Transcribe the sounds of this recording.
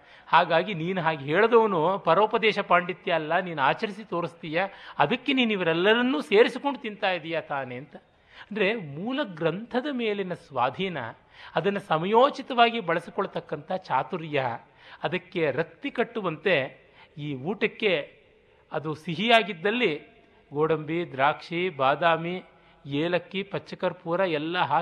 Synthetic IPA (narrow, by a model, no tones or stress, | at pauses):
haːɡaːɡiniːnuɦaːɡiɦeːɭɐd̪ɐʋɐnupɐɾoːpɐd̪ɛːʃɐpaːɳɖit̪ːijaːlːɐniːnuaːt͡ʃɐɾisit̪o̞ːɾist̪ijaɐd̪ɐkːeniːnuiʋɐɾɛlːɐɾɐnːuːse̞ːɾisikoɳɖut̪int̪aːjid̪ijat̪aːneːɐnt̪ɐ | ɐnd̪ɐɾemuːlɐɡɾɐnt̪ʰɐd̪ɐme̞ːlenɐsʋaːd̪ʱiːnɐ̰ | ɐd̪ɐnːɐsɐmɐjoːt͡ʃit̪ɐʋaːɡibɐɭɐsikɔɭɐt̪ɐkːɐnt̪ʰɐɦɐt͡ʃaːt̪uɾjɐ | ɐd̪ɐkːe̞ɾɐk̚t̪ikɐʈːuʋɐnt̪e̞ | iːuːʈɐkːe̞ | ɐd̪usiɦijaːɡid̪ːɐlːi | ɡoːɽɐmbid̪ɾaːkʂibaːd̪aːmi | jeːlɐkːipɐt͡ʃːɐkɐɾpuːɾɐɛlːɐɦɐ